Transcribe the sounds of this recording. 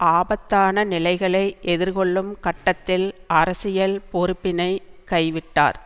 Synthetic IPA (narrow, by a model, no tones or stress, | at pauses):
ʔaːbɐt̪ːaːnɐnɪlɐɪɣɐɭɐɪʔɛðɪɾkɔɭːɯmkɐʈːɐt̪ːɪlɐɾɐsɪjɐlpɔɾɯpːɪnɐɪkɐɪʋɪʈːa̰ːɾ